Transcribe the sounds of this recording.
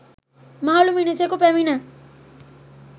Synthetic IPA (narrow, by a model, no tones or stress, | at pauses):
maːluminisekupɛminə